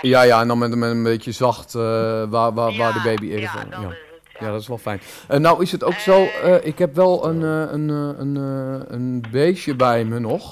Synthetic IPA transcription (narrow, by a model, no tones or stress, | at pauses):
jajaɛndɔnmɛntənmɛtənbetjəzɑxtʋaʋaʋaːrdəbeːbiedəfo̰ja | jadɔtɪsʋɛlˠfɛjn | ənawɪsətoːksoːəʔɪkhɛpʋɛlˠənənənənbeːʃjəbɛjmənɔx